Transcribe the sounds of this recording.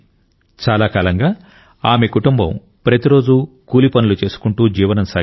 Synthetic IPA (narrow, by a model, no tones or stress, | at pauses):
t͡ʃaːlaːkaːlɐŋɡaː | aːme̞kuʈumbɐ̰m | pɾɐt̪iɾo̞ːd͡ʒukuːlipɐnulut͡ʃe̞ːsu̥kuɳʈuːd͡ʒiːʋɐnɐmsa̰